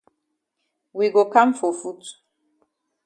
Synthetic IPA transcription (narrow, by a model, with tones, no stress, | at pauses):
wi˨ɡo˨ka˦mfɔ˨fu˦t